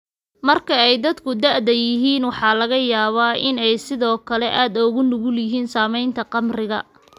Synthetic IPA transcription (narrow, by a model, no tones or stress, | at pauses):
mɐrkʰɐɛjd̪ɐd̪kʰʊd̪ɐʕd̪ɐjɪɦiːnwɑħɑːlɐɣɐjaːβaːʔɪnɛjsɪðɔːkʰɐlɛʔaːd̪ɔːɣʊnʊɣʊlɪɦiːnsaːmɛjnt̪ʰɐqɑmrɪɣɐ̰